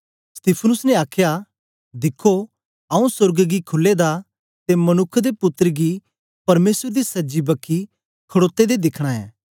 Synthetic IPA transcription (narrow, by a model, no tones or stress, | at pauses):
st̪iːpʰnʊsnɛ̃aːkʰja | d̪ɪkʰːo | ɐũsʊɾɡɡikʰʊlːed̪a | t̪emɐnʊkʰːd̪epʊt̪ːɾɡi | pɐɾmeːsɾd̪isɐd͡ʒibɐkʰːi | kʰɐɽoːt̪ːed̪ed̪ɪkʰɽ̃aɛ̰̃ː